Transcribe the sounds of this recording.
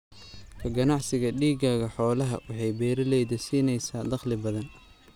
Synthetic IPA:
kʰɐɡɐnɑʕsɪɣɐɖiːɡaːɣɐħɔːlɐɦɐ̰wʔɑħɑjbɛːɾɪlɛjðɐsiːnɛjsaːd̪ɑχlɪbɐðɐn

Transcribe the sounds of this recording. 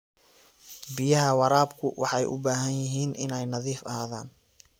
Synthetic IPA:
bɪjɐɦɐwɑɾaːbkʰʊwʔɑħɑjʔʊ̰baːɦɐnjɪɦiːnɪnɛjnɐðiːfɐɦaːða̰ːn

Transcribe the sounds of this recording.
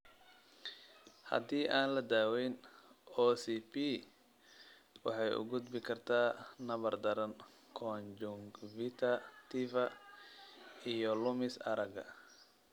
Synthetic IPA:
hɐ̰d̪iːʔaːnlɐd̪aːwɛjnɔːsipi | wɑ̰ħɑjʊ̰ɡʊd̪bɪkʰɐrt̪ʰaːnɐβɐrd̪ɐɾɐn | kʰɔnd͡ʒʊŋɡvɪt̪ʰɐt̪ʰifɐ | ijɔlʊmɪsɐ̰ɾɐɡɐ̰

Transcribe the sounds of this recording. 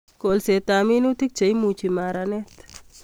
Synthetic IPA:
kolset̪aːminut̪ik̚t͡ʃɐjmũt͡ʃʰimaːɾanet̪

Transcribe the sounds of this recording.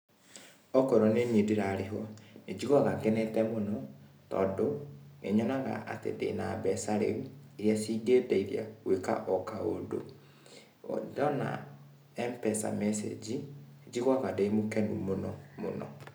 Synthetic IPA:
ɔkɔɾɔneɲedeɾaɾeɦɔned͡ʒiɣɔɣakɛnɛtɛmonɔ | tɔ̰ːndonḛɲɔnaɣa̰ʔa̰tḛdḛnabɛsaɾḛβieɾjasiɡedeiɾja̰ɣweka̰ʔɔkaodo̰ | dɔna̰ | ɛmpɛsa̰mɛsḛd͡ʒied͡ʒiɣaɣadeimokɛnumonɔmo̰nɔ̰

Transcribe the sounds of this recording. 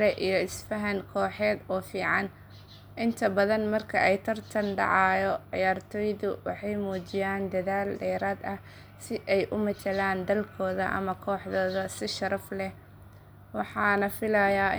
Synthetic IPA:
ɾɛʔijɞɪsfɐɦɐŋkʰɔːħɛːd̪ɔːfiːʕɑn | ʔɪnt̪ʰɐbɐðɐnmɐrkʰɐʔɛjt̪ʰɐrt̪ʰɐnɖɑ̰ʕɑːjɔʕɪ̰jaːrt̪ʰɔːjðʊwɑ̰ħɑjmuːt͡ʃɪjaːnd̪ɐðaːlɖɛːɾaːd̪ɐ | sɪʔɛjʔʊmɐtɐlaːnd̪ɐlkʰɔːðɐ̰ʔɐ̰mɐkʰɔːħðɔːðɐsɪʃɐɾɐflɛ | wɑħɑːnɐfɪlɐjaː

